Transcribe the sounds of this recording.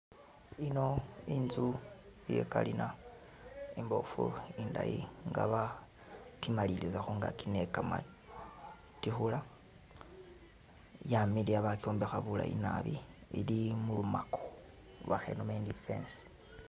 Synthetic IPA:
ino̞inzujḛkalina | imbo̞fuindajḭŋɡa̰βa | timalilizaxuŋɡa̰kinekama̰ | tixula | jamiliaβako̞ːmbexaβula̰ḭnaβiilimulumakʰo̥ | βaxḛnomendifḛns

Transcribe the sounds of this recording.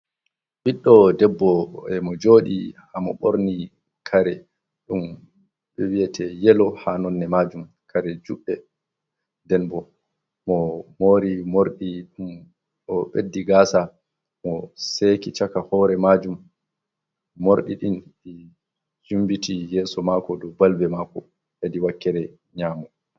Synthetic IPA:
ɓiɗːɔdɛbːɔɛmɔd͡ʒoːɗḭhamɔ̰ɓoɾni | kʰaɾɛ | ɗum | ɓɛwijɛtʰɛjɛlɔhanɔnːɛmad͡ʒum | kʰaɾɛd͡ʒuɓːɛ | dɛnbɔ | mɔmoːɾimoɾɗiɗum | ɔɓedːiɡasa | mɔsekit͡ʃakahɔːɾɛmad͡ʒum | oɾɗiɗinɛ | d͡ʒumbitijɛːsɔmakɔdɔbalbɛmakɔ̰ | hediwakːɛɾɛ | ɲaːmɔ

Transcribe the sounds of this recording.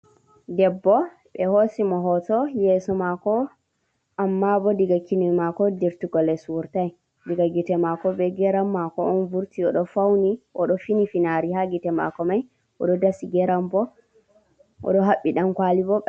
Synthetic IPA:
dɛbːɔ | ɓɛhosimɔɦɔtɔjɛsɔmakɔ | ʔamːabɔdiɡakinimakɔdiɾtuɡɔlɛsuɾtaj | diɡaɡitɛmakɔbɛɡɛɾamːakɔɔnvuɾtiɔɗɔfawniʔɔɗɔfinifinaɾihaɡitɛma̰kɔmaj | ʔɔ̰ɗɔdasiɡɛɾambɔ | ʔɔ̰ɗɔɦaɓːiɗankwalibɔ

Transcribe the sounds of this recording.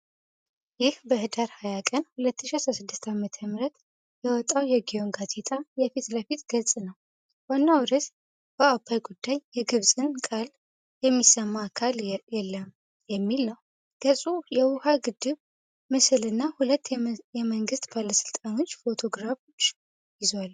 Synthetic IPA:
jɪhbəhɨd̪aɾhajakʼənhulət̪ːɨʃiasɾasɨd̪ːɨst̪ʰamət̪ʰəmɾət̪ | jɛwɔt̪ʼːawjɛɡijo̞ŋɡazʼet̪ʰʼajɛfit̪ləfit̪ɡ̥əlsʼnəw | wanːawɾət̪ | bəabʰajɡud̪ːajjɛɡɨβsʼɨnkʼal | jɛmːisəmːakʰaljɛlːəm | jɛmːilnəw | ɡ̥əsʼujɛwʊhaɡɨd̪ːɨβ | mɨsɨlɨnːahulət̪ːjɛməŋɡɨst̪balasɨ̥lt̪ʼano̞t͡ʃːfo̞t̪ʰo̞ɡɾafo̞t͡ʃː | jɪzwal

